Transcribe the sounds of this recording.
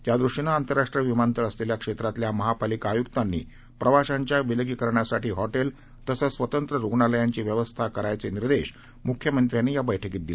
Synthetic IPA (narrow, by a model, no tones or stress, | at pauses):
t̪jad̪ɾuʂinaːnt̪əɾːaʂʈɾijəʋimant̪əɾəsleljakʂet̪ɾat̪ljaməɦapalikaːjukt̪anːḭː | pɾəʋaɕaɲt͡ɕjaʋiləɡikəɾɳjasaʈiːɦɔʈel | t̪əsəsʋət̪ənt̪ɾəɾuɡɳaləjaɲt͡ɕiːʋjəʋəst̪ʰakəɾajt͡seniɾd̪eɕ | mukʰjəmənt̪ɾjanːiːjabəjʈʰəkiːt̪̚d̪ile